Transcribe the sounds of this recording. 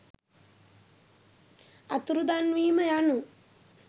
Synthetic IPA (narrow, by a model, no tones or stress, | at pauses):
ɐt̪ɾud̪aːnʋiːmɐjaːnu